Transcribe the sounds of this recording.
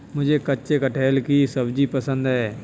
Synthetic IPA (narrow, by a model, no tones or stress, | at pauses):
mʊd͡ʒʱekɐtːʃekəʈʰeːlkisɐbd͡ʒipəsə̃nd̪ɦɛː